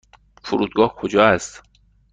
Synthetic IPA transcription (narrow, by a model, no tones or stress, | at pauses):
foɾuːd̪̚ɡɒːhkʰod͡ʒɒːæst̪